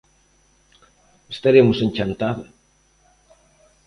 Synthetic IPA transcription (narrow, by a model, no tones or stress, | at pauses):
est̪aɾemʊsenʲt͡ʃant̪aðo